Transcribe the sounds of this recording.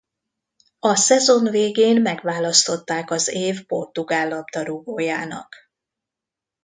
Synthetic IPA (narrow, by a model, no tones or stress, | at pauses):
ɒsɛzo̞nveːɡeːnmɛɡvaːlɒst̪o̞t̪ːaːkɒzeːvpo̞rt̪uɡaːlːɒbd̪ɒɾuɡoːjaːnɒ̰k